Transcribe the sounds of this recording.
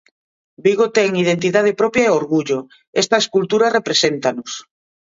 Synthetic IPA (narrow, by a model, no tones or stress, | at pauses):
biɣot̪ɛŋið̞ent̪̬iðað̞ɪpɾɔpjaeoɾɣuʎʊ | ɛst̪ɐeskult̪uɾarepɾesent̪anʊs